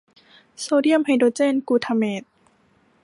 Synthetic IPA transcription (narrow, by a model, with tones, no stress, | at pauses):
soː˧di˥˩əmha˧jdoː˧t͡ɕeː˥˨nkuː˧t̪ʰa˧meː˧˩t̪̚